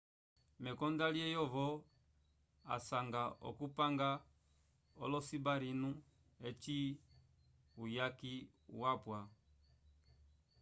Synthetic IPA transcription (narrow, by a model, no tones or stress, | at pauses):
mɛkɔndaliɛjɔvɔ | a̰saŋɡaɔ̰kupaŋɡa | ɔ̰lɔsibaɾinu | ɛt͡ʃi | ujaki | wapwa